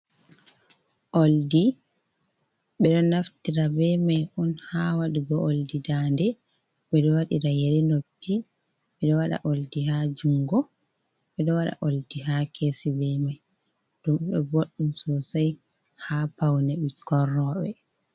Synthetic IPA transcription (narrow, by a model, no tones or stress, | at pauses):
ʔoldi | ɓɛɗɔnaftiɾabɛmajʔunhawaɗiɡɔʔoldidandɛ | ɓɛɗɔwaɗiɾajeɾinopːi | ɓɛɗɔwaɗa̰ʔoldiɦad͡ʒuŋɡɔ | ɓɛɗɔwaɗa̰ʔoldiɦakʰesibɛmaj | d̥umɗɔ̰boɗːumsɔsaj | hapawnɛɓikʰːɔrɔɓɛ